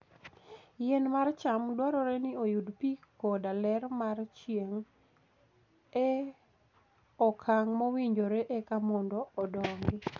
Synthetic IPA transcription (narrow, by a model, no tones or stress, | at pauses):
jɛnmart͡ʃamdwaɾɔɾɛnɪojudpikɔdalɛrmart͡ʃjeŋ | ɛ | ɔkʰaŋmɔwiɲd͡ʒoɾeʔekamɔndɔːdɔŋɡɪ